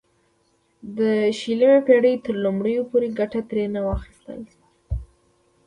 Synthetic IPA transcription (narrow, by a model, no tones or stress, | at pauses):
d̪əʃiləmepeɽəjt̪əɾlumɽəjopoɾeɡaʈat̪ɾenawɑxi̥st̪ə̰l